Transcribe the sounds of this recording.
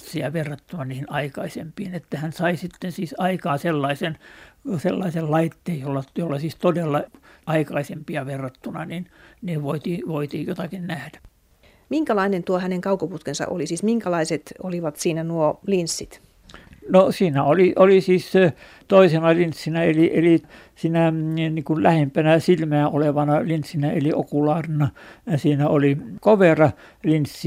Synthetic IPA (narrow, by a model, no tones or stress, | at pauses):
sːiɑʋerːɑt̪ːunɑniːhinɑikɑisempiːnet̪ːæhænsɑisit̪ːensiːsɑikɑːselːɑisenselːɑisellɑit̪ːeːjjolːɑjolːɑsiːst̪odelːɑɑikɑisempiɑʋerːɑt̪ːunɑninniːʋoit̪iːʋoit̪iːjjot̪ɑkinnæhd̥æ̥ | miŋkælɑinent̪uohæneŋkɑukoput̪kensɑ̰ʔo̰lisiːsmiŋkælɑiset̪oliʋɑt̪siːnænuolinsːit̪ | nosiːnæoliʔolisiːs | t̪oisenɑlinsːinæeliʔeli | siːnænikullæhempænæsilmæːnoleʋɑnɑlinsːinæeliokulɑːrinɑɑsiːnæolikoʋerɑ | linsːi